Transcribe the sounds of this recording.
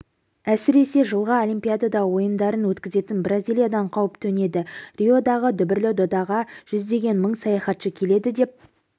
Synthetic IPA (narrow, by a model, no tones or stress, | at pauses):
æsɪɾe̞se̞ʒəlˠʁɑolʲˠimpʲijad̪ad̪ɑwo̞jənd̪ɑɾənwɵt̪kʲɪze̞t̪ɪnbrazʲilʲijad̪ɑɴqʰɑwəpt̪ʰɵne̞d̪ɪrʲio̞d̪ɑʁəd̪ʏbɪɾlɪd̪o̞d̪ɑʁɑʒ̥ʏzd̪e̞ɡʲe̞nməɴsɑjɑχɑt̪ʃəkʲʰe̞le̞d̪ɪd̪e̞p̚